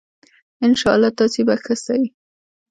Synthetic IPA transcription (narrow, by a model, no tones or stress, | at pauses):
ɪnʃɑa̰lːɑt̪ɑsebaxəsawi